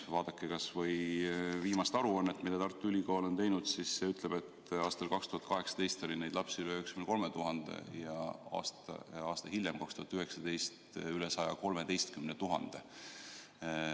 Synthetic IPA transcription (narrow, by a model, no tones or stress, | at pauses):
vɑːd̪̥ɑkːe̞kɑsvɤjviːmɑst̪ɑɾuonːet̪milːet̪ɑrt̪ːˑylʲikoːlo̞nt̪e̞jnud̪̥sisːe̞yt̪leb̥e̞t̪ɑːst̪ɑlkɑkst̪uhɑt̪kɑɦe̞ksɑ̥t̪e̞jst̪o̞lʲined̪lɑpsiyleyekskymneko̞lmet̪uɦɑnd̪̥ḛjɑɑ̰st̪ɑːst̪ɑhilʲjemkɑkst̪uhɑt̪ːyhe̞ksɑd̪e̞jst̪ylesɑjɑko̞lme̞t̪e̞jst̪̚kymnet̪uɦɑ̰nd̪̥e